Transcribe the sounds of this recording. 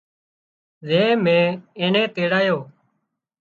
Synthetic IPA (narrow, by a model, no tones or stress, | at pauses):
zẽːmẽːeːnẽːt̪eːɽaːjoː